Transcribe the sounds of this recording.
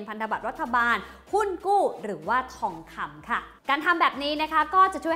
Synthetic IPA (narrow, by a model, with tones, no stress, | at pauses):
npʰa˧nt̪ʰa˧ba˨˩t̪̚ɾa˦˥t̪ʰːa˧baː˧nhʰu˥˩nkuː˥˩ɾɯː˩˦waː˥˩t͡ɕʰɔː˧ŋkʰa˧mkʰa˥˩ | kaː˧nt̪ʰa˧mbɛː˨˩p̚niː˦˥na˦˥kʰa˦˥kɔː˥˩t͡ɕa˨˩ʔt͡ɕʰu˥ə˩